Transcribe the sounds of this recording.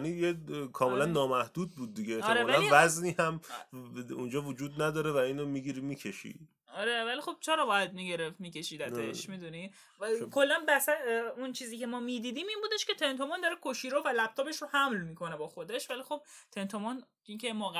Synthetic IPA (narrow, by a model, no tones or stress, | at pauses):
nijekʰɒːme̞lænːɒːmæhd̪̥uːd̪̚buːd̪̚ːiɡekʰːɾevælivæzniːhæm | und͡ʒɒːvod͡ʒuːd̪̚næd̪ɒːɾevæiːnomiɡiɾimiːcʰeʃḭ | ɒɾevælixo̞b̥̚t͡ʃʰeɾɒːbɒːjæd̪̚miːɟe̞ɾeft̪miːcʰe̞ʃiːd̪æd̪eʃmid̪uni | kʰo̞lːænbæsæunt͡ʃʰiːziːcʰe̞mɒːmid̪iːd̪iːmiːnbuːd̪eʃkʲe̞t̪ʰe̞nt̪o̞mond̪ɒɾekʰoʃiːɾovælæb̚t̪ʰɒːbe̞ʃɾohæmlmiːkʰonebɒːxo̞d̪e̞ʃvælixob̥̚t̪ʰe̞nt̪ʰomɔn | icʰemɔɡ